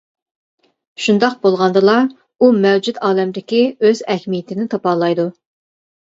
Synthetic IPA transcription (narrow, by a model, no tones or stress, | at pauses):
ʃund̪ɑq̚bolˠʁɑnd̪ɨlˠɑ | umɛwd͡ʒud̪ɑːlɛmd̪ɪkʲiøzɛhmijɪt̪ʰɪnɪt̪ʰɑpɑːlˠɑjd̪u